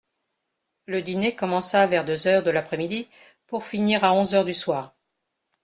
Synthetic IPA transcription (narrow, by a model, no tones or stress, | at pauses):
ləd̪inekɔmɑ̃savɛʁd̪øzœʁd̪əlapχɛmid̪i | puʁfiniʁaɔ̃zœʁd̪yswaːʁ